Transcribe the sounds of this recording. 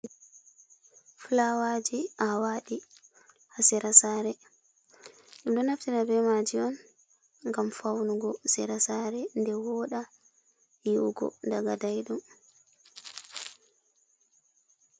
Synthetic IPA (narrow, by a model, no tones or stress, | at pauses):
fulawad͡ʒiʔawaɗi | hasiɾasaːɾɛ | ɗumɗɔnaftiɾabɛmad͡ʒiɔn | ŋɡamfawnuɡɔsɛɾasaɾɛndɛwɔɗa | jiwɡɔ̰daɡadajɗum